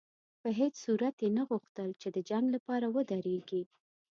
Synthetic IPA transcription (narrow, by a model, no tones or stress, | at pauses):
pəɦet͡ssuɾat̪jenaɣuxt̪əlt͡ʃed̪əd͡ʒaŋɡlapɑɾawəd̪aɾeɡi